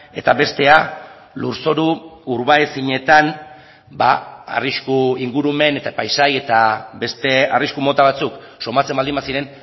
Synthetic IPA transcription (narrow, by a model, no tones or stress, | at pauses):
e̞t̪aβe̞st̪e̞a | luɾso̞ɾuːɾβaesiɲe̞t̪an | baa̰riskuiŋɡuɾume̞ne̞t̪apajsaje̞t̪abe̞st̪e̞ariskumo̞t̪aβ̞at͡suk | so̞mat͡se̞mbald̪imbasiɾe̞n